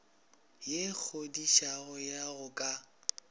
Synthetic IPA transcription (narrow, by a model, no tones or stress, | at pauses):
jek͡xʰodiʃaɣʊjaɣʊkʼa